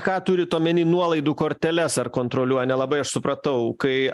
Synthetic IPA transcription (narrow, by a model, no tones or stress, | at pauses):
kɑːt̪ʊɾʲɪt̪oːmʲɛnʲiːnuɔlˠɐɪd̪uːkoːɾʲt̪ʲɛlʲɛsɐrkoːnt̪ɾoːlʲuɔjɛnʲɛlˠɐbɐɪɐʃsʊpɾɐt̪ɐʊkɐɪ